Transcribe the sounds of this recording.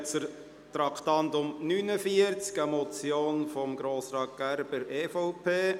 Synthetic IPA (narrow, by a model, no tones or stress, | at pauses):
t͡səɾ | t̪ɾɑkʰt̪ɑnt̪ʊmnynəfiəɾt͡skəmɔt͡sjoːnfɔmɡɾoːsɾɑːk̚ɡ̥æɾb̥əɾeːfɔʊpʰeː